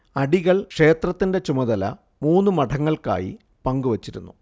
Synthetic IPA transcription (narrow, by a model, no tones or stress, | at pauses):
ɐɽiɣɐɭkʂe̞ːt̪rɐt̪ːinde̞t͡ɕumɐðɐlɐ̰ | muːnːɨmɐʈʰɐŋːɐɭka̰ːjḭ | pɐŋɡuʋɐt͡ɕːiɾunːu